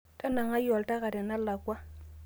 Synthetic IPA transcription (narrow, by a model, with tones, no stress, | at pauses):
tʼa˦na˨ŋa˦jɔ˨lta˦ka˨dɛ˨na˦la˨kwa˦